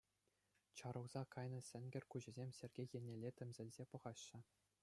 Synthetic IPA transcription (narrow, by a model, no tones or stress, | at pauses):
t͡ɕɑɾɤ̆wz̥ɑkɑjnɤ̆sʲɘ̆nʲɡʲɘ̆rʲkuʑɘ̆zʲemʲsʲerʲɡʲejĕnʲelʲːetʲɘ̆mʲzʲɘ̆lʲzʲepɤ̆ʁɑɕːɘ̆